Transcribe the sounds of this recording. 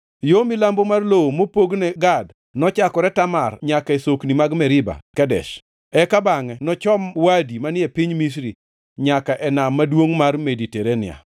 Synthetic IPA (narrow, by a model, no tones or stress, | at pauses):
jomilambomarloomopoɡnɛɡad | nɔt͡ʃakɔɾɛtamarɲakaesoknimaɡmɛɾɪba̰kɛdɛ̰ʃ | ɛkabaŋɛnɔt͡ʃɔmwadimanɪɛpiɲmis̬ɾi | ɲakaʔɛnamːadwoŋmarmediteɾenɪ̰a̰